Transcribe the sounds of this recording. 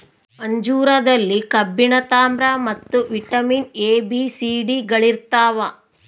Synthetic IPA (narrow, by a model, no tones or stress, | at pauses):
mɐɲd͡ʒuːɾɐd̪ɐlːikɐbːiɳɐt̪aːmɾamɐt̪ːuʋiʈɐmineːbisiːɖiɡɐɭiɾt̪aːʋɐ